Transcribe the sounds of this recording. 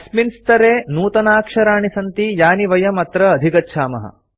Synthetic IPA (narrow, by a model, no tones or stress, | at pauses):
ɐsminst̪ɐɾeːnuːt̪ɐnaːkʂɐɾaːɳisɐnt̪ijaːniʋɐjɐmɐt̪ɾɐːd̪ʱikɐtːʃʰaːmɐ̰ɦɐ̰